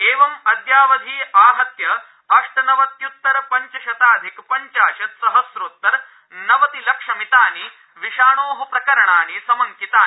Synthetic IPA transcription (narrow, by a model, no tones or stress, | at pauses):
eːʋɐmɐt̪jaːʋɐd̪ʱiːaːɦɐt̪jɐ | ɐʂʈɐnɐʋɐt̪jut̪ːɐɾpɐɲt͡ʃɐʃɐt̪aːd̪ʱikpɐɲt͡ʃaːʃɐt̪sɐɦɐsɾoːt̪ːɐɾ | nɐʋɐt̪ilɐkʂɐmit̪aːni | ʋiʂaːɳoːɦɐpɾɐkɐɾɐɳaːnisɐmɐŋkit̪aːi